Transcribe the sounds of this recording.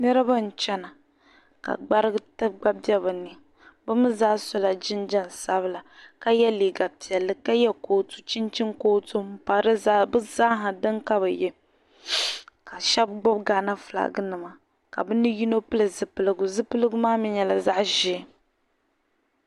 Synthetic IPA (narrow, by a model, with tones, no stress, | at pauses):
nɛ˦ɾɨ˦ba˦n̩˨t͡ʃɛ˦na˨ | ka̰˨ɡ͡ba˦ɾɨ˦ɡɨ˦tɨ˦bɡ͡ba˦b̚bjɛ˦ba˨nɨ˨ | bɨ˦mɨ˦zaː˦sɔ˦la˨d͡ʒɪ˦nd͡ʒɛ˦n˨sa˦bɨ˦la˨ka˦jɛ˦li˨ɡa˨pi˨ɛ˨lːɨ˨ka˦jɛ˦ko˨tu̥˦t͡ʃi˦nt͡ʃi˦ŋkoː˦to˦m̩˦pa˨ɾɨ˦zbɨ˦za˦ɦa˨dɨ˦ŋka˦βɨ˨jɛ˦ | ka˨ʃɛ˦b̚ɡ͡bʊ˦b̚ɡa˨na˦fla̰˨ɡɨ˦nɨ˨ma˨ | ka̰˨bɨ˦nɨ˦ji˦no˦pɨ˦lɨ˨zɨ˨pɨ˨lɨ˨ɡʊ˨zɨ˦pɨ˦lɨ˦ɡʊ˦maː˦mi˦ɲɛ˨la˨za˦ʔʒɪ˦